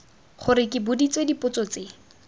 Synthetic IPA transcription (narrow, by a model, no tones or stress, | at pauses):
χʊɾɪkɪbʊdit͡swedipʊt͡sɔt͡se